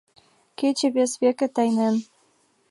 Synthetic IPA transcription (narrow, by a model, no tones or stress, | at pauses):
ket͡ɕɘ̆βʲesβekɘ̆t̪ɑjnen